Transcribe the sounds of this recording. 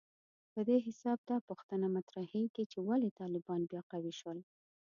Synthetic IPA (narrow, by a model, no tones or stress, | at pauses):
pəd̪eɦɪsɑb̚d̪ɑpuxt̪ənamat̪ɾahejk̪et͡ʃewalet̪ɑlɪbɑnbjɑqawiʃwəl